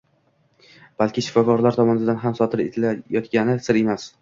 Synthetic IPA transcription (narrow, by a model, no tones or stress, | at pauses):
b̥alˠkʲɪʃɪ̥fɒkɒɾlaɾt̪ʰɒmɒnɪd̪anɦamsɒt̪ʰɪɾḛt̪ʰɪlajɒt̪ɡʲanɪsɪɾe̞mas